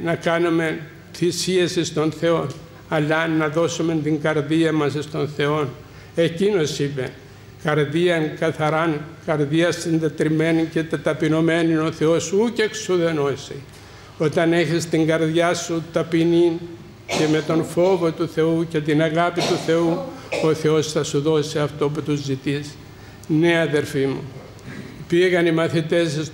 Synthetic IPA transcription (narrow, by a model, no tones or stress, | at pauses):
nɐkɐnume̞ | θisiesist̪o̞nθe̞o̞n | ɐlɐnnːɐðo̞sume̞nt̪iŋɡɐɾðiɐmɐsist̪o̞nθe̞o̞n | e̞cino̞sipe̞̰n | kɐɾðiɐŋkɐθɐɾɐnkɐɾðiɐsind̪e̞t̪ɾime̞nice̞t̪ɐt̪ɐpino̞me̞nio̞θe̞o̞suuceksuðe̞no̞si | o̞t̪ɐne̞çist̪iŋɡɐɾðʝɐsut̪ɐpini | ce̞me̞t̪o̞nfo̞vo̞t̪uθe̞uce̞t̪inɐɣɐpit̪uθe̞uo̞θe̞o̞sθɐsuðo̞siɐft̪o̞put̪uzːit̪is | neɐðe̞ɾfimṵ | piɣɐnimɐθit̪e̞ss